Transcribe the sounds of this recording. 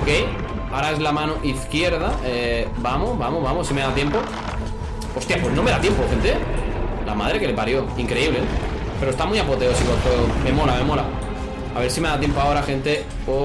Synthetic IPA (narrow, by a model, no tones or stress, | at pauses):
okej | aɾaezlamãnoʔiθkje̞ɾðaebamoβamoβamosːime̞ðat̪je̞mpo | o̞st̪japwe̞znome̞ðat̪je̞mpoxe̞nt̪ela̰mað̞ɾe̞ke̞le̞paɾjo̞iŋkɾe̞iβle | peost̪amwiapot̪eosikot̪oome̞mo̞lame̞mo̞la | aβe̞ɾsime̞ðat̪je̞mpoao̞ɾaxẽ̞nt̪e̞ | o